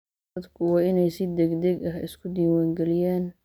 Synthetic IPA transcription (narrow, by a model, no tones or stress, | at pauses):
ɐd̪kʰʊwɑːɪnɛjsɪd̪ɛɡd̪ɛɡɐɦɪ̰skʰʊd̪iːwaːŋɡɛlɪjaːn